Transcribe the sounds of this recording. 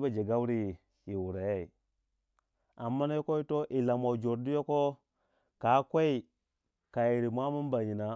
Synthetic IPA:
ba˨d͡ʒe˨ɡa˦wɾi˦˨ | ji˨wu˨ɾa˨je˦i˨ | a˨mːa˦na˦jo˦ko˦i˦to˦ʔi˨la˨ma˨d͡ʒo˨ɾdi˦jo˦ko˦ | ka˨˦kʷe˦i˨ | ka˨ji˨ɾi˨mʷ˦a˦mu˦nba˨ɲi˨na˨

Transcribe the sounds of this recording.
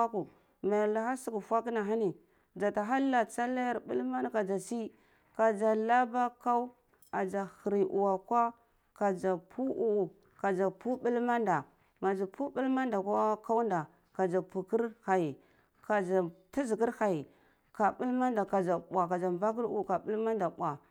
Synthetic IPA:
a˦ku˨ | ma˨la˨xa˦si˦ku˨fʷa˦kna˨ɦa˦ni˨ | d͡ʒa˨ta˨ɦa˦lːa˨t͡sa˦la˦ja˦˨ɾbi˦lma˦n˦ka˨d͡ʒa˨si˦ | ka˨d͡ʒa˨la˦ba˦ka˦u˦ | a˨d͡ʒa˨xi˨ɾi˨ʔṵ˨wa˨kʷa˦ | ka˨d͡ʒa˨pʰu˦ʔu˦u˨ | ka˨d͡ʒa˨pu˦ɓi˦lma˦nda˨ | ma˨d͡ʒa˨pu˦bi˦lma˦nda˨ka˦ka˦u˦nda˨ | ka˨d͡ʒa˨pu˨ki˦ɾha˨ji˨ | ka˨d͡ʒa˨ta˦zi˨ki˦ɾha˨ji˨ | ka˨ɓu˦lma˦nda˨ka˨d͡ʒa˨ɓʷa˨ka˨d͡ʒa˨mva˦k̬i˦ɾu˦˨ka˨ɓu˦lma˦nda˨ɓʷa˨

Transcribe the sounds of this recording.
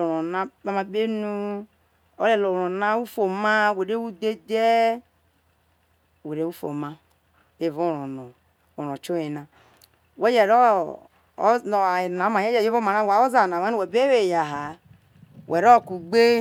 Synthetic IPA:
o˨ɾo˨na˦ba˦ma˨be˦nu˦ | o̰˦le˨lo˨ɾo˨na˦wu˦fo˨ma˦˨we˨ɾe˦wu˦de˦de˦˨ | we˨ɾe˦wu˦fo̰˨ma˦ | e˨vo˦˨ɾo˨no˨ | o˨ɾo˨t͡ʃo˦e˨na˨ | we˦je˨ɾo˦ | o˨na˨˦ma˨je˦d͡ʒe˨je˦vo˦ma˨na˦˨wa˨˦o˦za˨na˨wa˦nu˦we˨be˦we˨ja˨ɦa˨ | wʔe˨ɾo˦˨ku˨ɡ͡be˦

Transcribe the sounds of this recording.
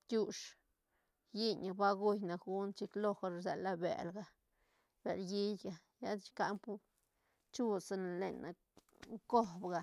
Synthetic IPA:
t̪ʲu˦ʂ | ji˦ɲa˨ba˦ɡu˦jna˨kɡu˦nt͡ʃi˧˦klo˦xa˧ɾa˨zḛ˨la˦bḛ˨lɡa˨ | b̥e˨lji˦jɡa˨ | ja˦d̪t͡ʃka˦mpu˦ | t͡ʃu˦sa˧na˨le˨nʔa̰˨ | ko˦bɡa˨

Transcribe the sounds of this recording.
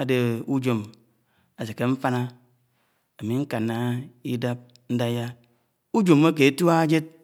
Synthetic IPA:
a˨de˨u˦d͡ʒo˨m | a˨se˨ke˦ɱ̩˦fa˦na˦ | a˨mi˨˦ŋ̩˦ka˨nːa˦i˦da˦p̚ | n̩˦da˦ja˦ | u˦d͡ʒo˨mː˦a˦k̬e˨e˦tu˦a˦d͡ʒe˦t̚

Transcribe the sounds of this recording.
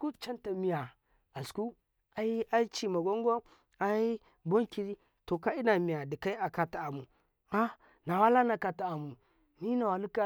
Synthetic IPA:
ku˦t͡ʃa˦nta˨mi˨ja˨ | a˨sku˦ | a˨i˦a˦i˦t͡ʃi˨ma˨ɡʷo˦ŋ˦ɡo˦ | a˨i˦ | bo˦ŋki˨ɾi˦ | to˨ka˦i˦na˨mi˨ja˨di˨ka˦i˦a˨ka˦ta˨a˨mu˨ | a˦ | na˨wa˦la˦na˨ka˨ta˨a˨mu˨ | ni˦na˨wa˨lu˦ka˦

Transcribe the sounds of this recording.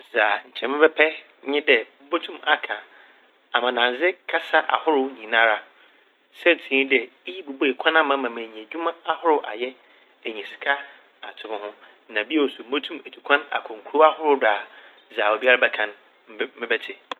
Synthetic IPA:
za˨ɲ̩˨t͡ɕʰɛ̃˨mɪ̃˦bɛ˦pʰɛ˦ | ɲɪ̃˦dɛ˨m̩˦bo˦tʰũ˦ma˨kʰã˨ | a˨mã˨nã˨n˨zɪ˦kʰa˦sa˦ʔa̰˨hʊ˦ɾʊ˦ɲĩ˨nã˦ɾa˨ | sɛ˦n˨tʰĩ˦dɛ˨˦ji˦bu˨bo˦e˨kʰã˦nã˦mã˨˦mã˨mẽ˨ɲĩ˨æ˨d͡ʑᶣu˦mã˦a˦hʊ˦ɾʊ˦ʔa̰˨jɛ˦ | æ˨ɲĩ˨sɪ̥˨kʰa˦ | a˨tʰʊ˨mʊ̃˨hʊ̃˦ | nã˨bi˦o˨sʊ˨m̩˦o˦tʰũ˦me˨tʰu˨kʰã˦na̰˨kʰɔ̃˨ŋ̩˨kʰu˦ɾo˦a˦hʊ˦ɾʊ˦daː˨ | zaː˨o˨bi˦a˦ɾa˦bɛ˦kʰã˨n˦ | mɪ̃˦bɛ˦tʰɪ˨

